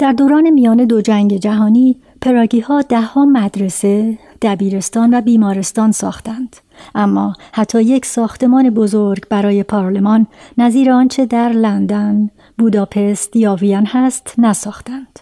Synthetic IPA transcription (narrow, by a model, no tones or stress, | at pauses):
d̪̥æɾd̪oːɾɒːne̞mijɒːne̞d̪od͡ʒæŋɟe̞d͡ʒæɦɒːniː | pʰe̞ɾɒːɟiːhɒːd̪æhːɒːmæd̪ɾe̞se̞ | d̪̥æbiːɾe̞st̪ɒːnvæbiːmɒːɾe̞st̪ɒːnsɒ̰ːxt̪ænd̪̥ | ʔæmːɒːhæt̪ʰːɒːje̞cʰsɒːxt̪e̞mɒːne̞bo̞zoɾɡbæɾɒːje̞pʰɒːɾle̞mɒːnːæziːɾeɒːnt͡ʃʰe̞d̪æɾlænd̪æn | buːd̪ɒːpʰe̞st̪jɒːvijænhæst̪næsɒːxt̪ænd̪̥